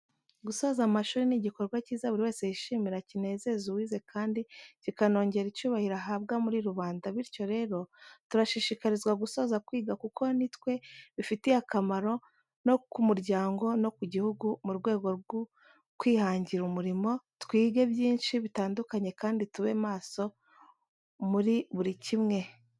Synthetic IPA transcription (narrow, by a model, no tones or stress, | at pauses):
ɡuso̞ːzamaʃuːɾiniɟikoɾɡwaciːzaβuɾiwe̞ːse̞jiʃiːmiɾacine̞ːze̞zuwiːze̞kʰaːndicikano̞ːɲɟe̞ɾicuːβahiɾaɦaːb̚ɡamuɾiɾuβaːndaβiɾco̞ɾe̞ːɾo̞tuɾaʃiʃikaɾizɡwaɡuso̞ːzakwiːɡakukʰo̞nitwe̞βifitihakamaɾo̞ | no̞kumuɾɟaːŋɡo̞no̞kuɟihuɡumuɾɡwe̞ːɡo̞ɾɡu | kwiːhaːɲɟiɾumuɾimo̞ | twiːɡe̞bjiːnʃiβitaːndukaɲe̞kaːndituβe̞maːso̞ | muɾiβuɾicimŋe̞